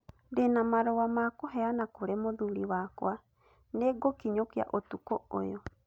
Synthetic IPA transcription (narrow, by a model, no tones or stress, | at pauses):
denamaɾɔwamakoɦɛanakoɾɛmoðuɾiwaːkw̰a | neɡokiɲokia̰ʔotukɔo̰jɔ